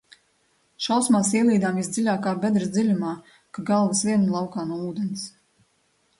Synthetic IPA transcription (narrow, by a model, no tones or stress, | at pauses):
ʃawsmaːsiɛlˠiːd̪aːmvisd̪zilʲaːkaːbʲɛd̪ɾɨsd̪zilʲumaː | kaɡalˠvɨsvʲiɛnlˠɑwkaːnuɔuːd̪ɛns